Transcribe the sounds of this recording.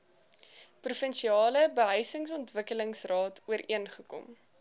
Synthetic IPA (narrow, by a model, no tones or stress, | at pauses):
prufənʃiɑːləbəɦœɥsəŋsɔntvəkələŋsrɑːtuəɾʔiənχəkɔ̰m